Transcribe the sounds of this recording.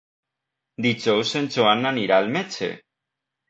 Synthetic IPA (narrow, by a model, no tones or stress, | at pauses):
d̪it͡ʃowsent͡ʃoanːaniɾalmet͡ʃḛ